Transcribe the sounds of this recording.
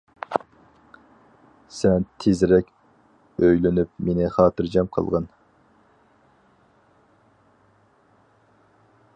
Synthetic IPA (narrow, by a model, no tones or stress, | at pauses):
sɛnt̪ʰezɾɛkʲ | øjlynyp̚menɪχɑːt̪ɨɾd͡ʒɑmqʰə̰lˠʁɑn